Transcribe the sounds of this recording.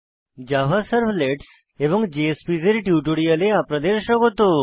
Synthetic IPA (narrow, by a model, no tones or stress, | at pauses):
d͡ʒaʋasəɾʋleʈs | eʋɔ̃ŋkd͡ʒeespizeɾiʈjuʈoɽijəleapɾəd̪eɾʃəkɦot̪o